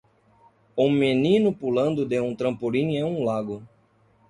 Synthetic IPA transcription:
ũmenĩnʊpulɐ̃nd̪ʊd̪eũt̪ɾɐ̃mpoɾĩɲẽũlaɡʊ

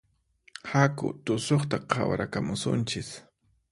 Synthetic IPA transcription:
hakʊ̰t̪ʊsoχt̪aqʰɑwɾakamʊsʊ̰nt͡ʃɪs

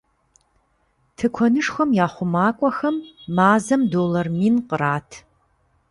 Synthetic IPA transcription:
tʰɨkʷʰɔnɨʂxʷɐmjaːχʷʊmaːkʷʼɔxɐmːaːzɐmdoːlɐrmiːnqəɾaːtʰ

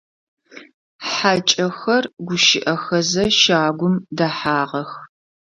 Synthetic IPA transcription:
ħaːt͡ʃʼɐxɐrɡʷʊʃɪʔɐxɐzɐʃaːɡʷʊmdɐħaːʁɐx

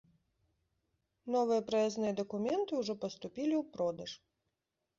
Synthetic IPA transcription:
nɔvɨjɐpɾɐɛznɨjɐd̪ɐkumʲɛnt̪ɨuʐɔpɐst̪ʊpʲilʲiwpɾɔd̪ɐʂ

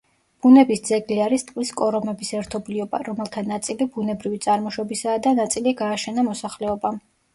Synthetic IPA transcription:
b̥unɛbisd̪zɛɡliaɾist̪ʼqkʼliskʼɔɾɔmɛbisɛɾt̪ʰɔbliɔba̰ɾɔmɛlˠt̪ʰanat̪sʼilibunɛbɾivit̪sʼaɾmɔʃwɔbisaːd̪anat̪sʼiliɡaːʃɛnamɔsaχlɛɔba

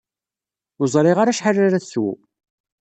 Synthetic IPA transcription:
ʊzˤɾˤɪʁaɾaʃħarːaɾæθs

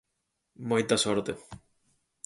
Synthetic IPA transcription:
mojt̪asoɾt̪e

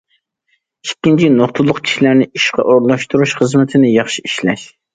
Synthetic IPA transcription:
ikʲːint͡ʃʰinoχt̪ʰʊlˠːʊqkʲʰi̥ʃilæɾnɪiʃqɑ̰ʔoɾlˠɑʃt̪uɾuʃχəzmɪt̪ʰɪnɪjɑχʃiiʃlɛ̰ʃ

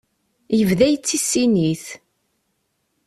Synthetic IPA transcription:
jəvðæjət͡sːisːiniθ

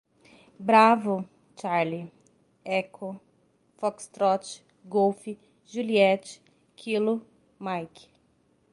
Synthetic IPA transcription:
bɾavʊ | t͡ʃaɾli | ɛkʰo | fɔkst̪ɾɔt͡ʃ | ɡowfi | ʒuliɛt͡ʃ | kʰilʊ | majk

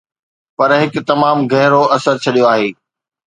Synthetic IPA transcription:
pɐɾɦɪkt̪ɐmaːmɡʱɐɦɪɾoɐsəɾt͡ɕʰɐɗijoaːɦeː

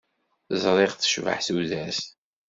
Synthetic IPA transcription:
zˤɾˤeʁθə̥ʃvə̰ħθuðæs

